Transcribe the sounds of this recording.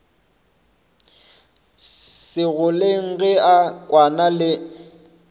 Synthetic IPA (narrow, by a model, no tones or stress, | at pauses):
sɪɣʊleŋ̩ɣɛakʼwanalɪ